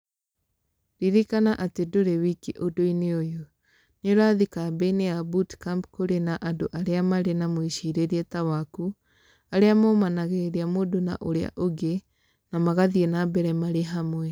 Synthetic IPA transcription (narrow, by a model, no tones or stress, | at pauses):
ɾiɾikanaʔatedoɾewikiʔodoineojo | neɾwaðikabeineabutkampkoɾenaʔandoʔaɾeamaɾenamoiʃiɾeɾiɛtawaku | aɾeamomanaɣeɾeɾiamoːdona̰ʔoɾea̰ʔoɡe | namaɣaðienabɛɾɛmaɾeɦamwɛ